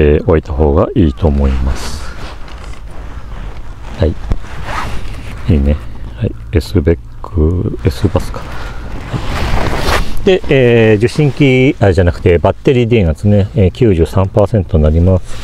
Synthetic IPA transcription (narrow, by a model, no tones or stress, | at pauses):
oit̪aho̞ːɡaʔiːt̪o̞ːmo̞imasɨ̥ | hai | iːne̞hai | esɨbekːɯesɨbasɨ̥kḁhai | d̪̥e̞eːd͡ʑɨɕĩŋkʲiaʑanakɯ̟̥t̪e̞bat̪ːe̞ɾʲiːd̪eːnat͡sɨne̞ːkʲɨːʑɨːsãmpaːsẽ̞nt̪o̞naɾʲimasɨ̥